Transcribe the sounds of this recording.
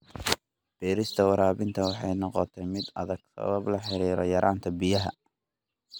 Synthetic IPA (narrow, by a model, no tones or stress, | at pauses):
b̥ɛːɾɪst̪ʰɐwɑɾaːβɪnt̪ʰɐwɑħɑjnɔqɔt̪ʰɛjmɪd̪ɐðɐɡ̥sɐ̰wɐblɐħɪɾiːɾɔjɐɾʔaːnt̪ʰɐbɪjɐɦɐ̰